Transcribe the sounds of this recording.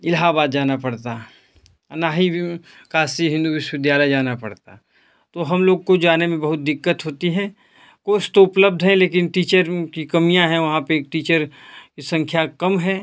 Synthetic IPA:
ɪlɦabaːd̪̚d͡ʒaːnapɐɽt̪a | naːɦi | kʰaːsiɦɪ̃nd̪uʋɪʃʋɪd̪jaːləjd͡ʒaːnapɐɽt̪a | t̪oɦɐmloːɡkod͡ʒaːnemẽbɐɦʊt̪̚d̪ɪkːət̪ɦoːt̪iɦɛ̃ | koːst̪oʊpləb̚d̪ʱɦɛ̃leːk̬ɪnʈiːt͡ʃəɾkikɐmijãɦɛ̃ʋɐɦãpeːk̚ʈiːt͡ʃəɾkisɐ̃ŋkʰjakɐmɦɛː

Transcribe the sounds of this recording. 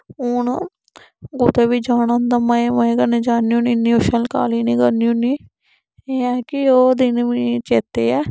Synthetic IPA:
ʊn | ɡʊt̪eːʋiːd͡ʒaːnaːnd̪aːməeməeːɡəneːd͡ʒaːniũːnɪnːĩːoʃəlka̰ːliːniːɡəniuniː | eːɛːkɪoːd̪ɪnʋiːt͡ʃeːt̪eːɛː

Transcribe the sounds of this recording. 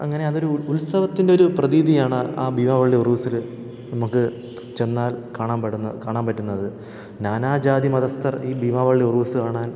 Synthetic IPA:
ɐ̰ŋːɐne̞ɐðo̞ɾuulsɐʋɐt̪ːinde̞o̞ɾuprɐðiːd̪ijaːɳɨaːbʱimaːʋɐɭːiuruːsil | nɐmukːɨ | t͡ɕe̞nːaːlkaːɳaːmpɐɽunːɐkaːɳaːnpɐtːunːɐðɨ | naːnaːd͡ʑaːd̪imɐðɐst̪ɐriːbʱiːmaːʋɐɭːiuruːsɨkaːɳaːn

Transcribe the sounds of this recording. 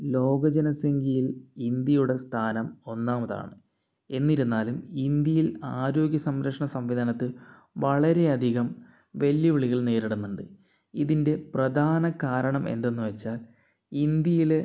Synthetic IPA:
lo̞ːɡɐd͡ʑɐnɐseŋɡijilind̪jɐjuɽe̞st̪ʰaːnɐmo̞nːaːmɐða̰ːɳɨ | e̞nːiɾunːaːlumind̪jɐjilaːɾo̞ːɡjɐsɐmɾɐkʂɐɳɐsɐmʋid̪ʱɐnɐt̪ːɨ | ʋɐɭɐɾe̞ɐd̪ʱiɣɐm | ʋeljɐʋiɭiɣɐɭneːɾiɽumːuɳɖɨ | iðinde̞prɐd̪ʱaːnɐkaːɾɐɳɐme̞̰nd̪e̞nːuʋɐt͡ɕːaːl | ind̪jɐjile

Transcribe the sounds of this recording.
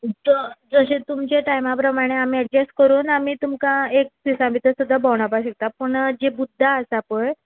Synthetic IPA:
d͡zəd͡zəɕẽt̪umt͡ɕeʈajmapɾəmaɽ̃eamiːəɖ̚d͡ʑeskəɾuːnamiːt̪umkaek̚d̪isãmit̪əsud̪ʱːabəwɳ̃apaɕək̚t̪apəɳd͡ʑebud̪ʱːaəsapəj

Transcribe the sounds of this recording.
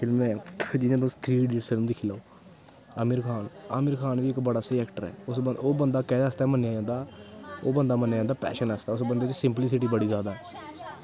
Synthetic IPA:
pʰɪlmɛ̃ːd͡ʒɪjãːt̪̬ʊst̪ʰɾiːɖiːɾspʰɪlmd̪ɪkʰiːlaoː | əmɪɾkʰaːnaːmɪɾkʰaːnʋiːɪkbəɽaːseːɛːkʈəɾɛ̰ːʊsoːbənd̪aːkɛːd̪aːəst̪ɛːmənːjaːd͡ʒãːnd̪aːoːbənd̪aːmənːjad͡ʒãːnd̪aːpɛ̰ːʃənəst̪aɛːʊsbənd̪eːt͡ʃsɪmplɪs̬ɪʈiːbəɽiːzjaːd̪aːɛ

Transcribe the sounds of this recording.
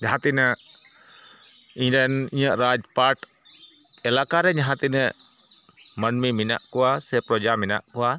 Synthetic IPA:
ɲaɦat̪inə | iɲdɛniɲəʔɾad͡ʒpaɾʈ | ɛlakaɾɛɲaɦat̪inə | mənmimina̰ʔkuwasɛpɾɔd͡ʒamina̰ʔkuwa

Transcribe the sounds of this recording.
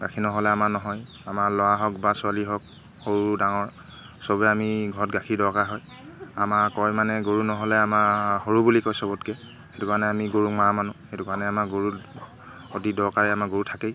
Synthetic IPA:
ɡakʰinɔɦɔlɛamaɹnɔɦɔj | amaɹlɔwaɦɔkbasʊaliɦɔk̚ | hoɹudaŋɔɹ | sɔbɛamiɡʱɔɹɔtɡakʰidɔɹkaɦɔj | amaɹkɔjmanɛɡoɹunɔɦɔlɛamahoɹubulikɔjsɔbɔtkɛ | xetukanɛamiɡoɹukmamanuxetukanɛamaɡoɹu | otidɔɹkaɹɛamaɡoɹutʰakej

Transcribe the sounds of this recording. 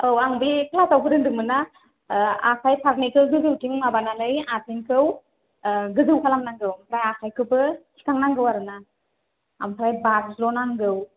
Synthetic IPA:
ɯwaŋbipʰalasawkʰɯɾɯŋdɯŋmɯna | akʰajpʰaɾnikʰɯwɡɯzɯwtiŋmabanalɯjatʰiŋkʰɯw | ɡɯzɯwkʰalamnaŋɡɯwampʰɾajakʰajkʰɯbɯsʰi̥kʰaŋnaŋɡɯwaɾɯnaː | mpʰɾajbak̚slonaŋɡɯw

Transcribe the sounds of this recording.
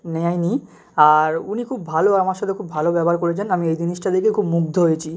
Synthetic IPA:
nɛajni | aɾunikʰubbʱaloamaɾʃɔt̪ʰekʰubbʱalobɛboaɾkoɾet͡ɕʰenamiejd͡ʑiniʃʈad̪ekekʰubmuɡ̚d̪ʱoɦojet͡ɕʰi

